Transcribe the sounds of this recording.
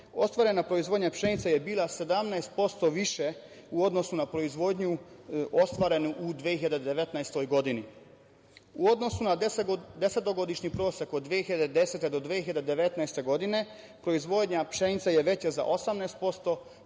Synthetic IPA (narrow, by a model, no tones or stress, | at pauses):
o̞st̪ʋaɾe̞napɾo̞izʋo̞d̪ɲapʃenit̪saje̞biːlˠase̞d̪amnaest̪̚po̞st̪o̞ʋiʃe | uo̞d̪no̞sunapɾo̞izʋo̞d̪ɲuo̞st̪ʋaɾe̞nuʔud̪ʋehiʎad̪ed̪ed̪eʋet̪naest̪o̞jɡo̞d̪ini | uo̞d̪no̞sunad̪e̞se̞t̪o̞ɡo̞d̪iʃɲipɾo̞ːsekod̪ːʋiehiʎad̪ed̪e̞set̪ed̪o̞d̪ʋehiʎad̪ed̪e̞ʋe̞t̪najst̪e̞ɡo̞d̪ine̞ | pɾo̞izʋo̞d̪ɲapʃe̞nit̪saje̞ʋe̞t͡ɕaza̰ʔosamnɛjst̪̚po̞st̪o̞